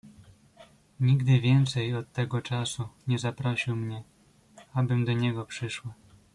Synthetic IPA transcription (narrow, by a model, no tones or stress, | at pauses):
ɲiɡd̪ɘvʲjɛnt̪sɛjɔt̪ːɛɡɔt͡ʂasuɲɛzapɾɔɕiwmɲɛ | abɘmd̪ɔɲɛɡɔpʂɘʂwa